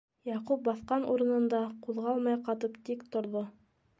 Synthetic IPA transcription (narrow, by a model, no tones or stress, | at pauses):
jɑqup̚bɑθqɑnʔuɾɤ̆nɤ̆nd̪ɑquðʁɑlˠmɑjqɑt̪ɤpt̪ikt̪ŏɾðo